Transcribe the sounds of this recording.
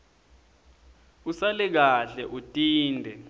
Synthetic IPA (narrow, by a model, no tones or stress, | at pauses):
usalɛk̬aɬɛʔutʼiːndʱɛ